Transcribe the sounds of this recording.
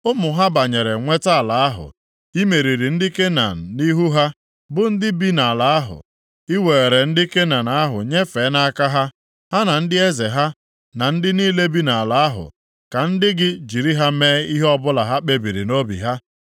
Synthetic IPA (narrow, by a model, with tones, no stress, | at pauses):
ʊ˦mʊ˨ɦa˦ba˨ɲe˨ɾe˨ŋʷe˦ta˦a˨la˨a˦ɦʊ̰˨ | i˦me˨ɾi˨ɾi˨n̩˦dɪ˦ke˦na̰˨ni˦ɦu˦ɦa˦ | bʊ˦n̩˦dɪ˦bi˦na˨la˨a˦ɦʊ̰˨ | i˦we˨e˨ɾe˨n̩˦dɪ˦ke˦na˨na˨a˦ɦʊ̰˨ɲe˦fe˨˦na˦a˦ka˦ɦa˦ | ha˦na˨n̩˦dɪ˦e˦ze˨ɦa˦ | na˨n̩˦dɪ˦niː˦le˦bi˦na˨a˨la˨˦a˦ɦʊ̰˨ | ka˨n̩˦dɪ˦ɡɪ˦d͡ʒi˨ɾi˦ɦa˦meː˦i˦ɦe˦ɔ˦bʊ˦la˨ɦa˦k͡pe˦bi˨ɾḭ˨no˦bḭ˨ɦa˦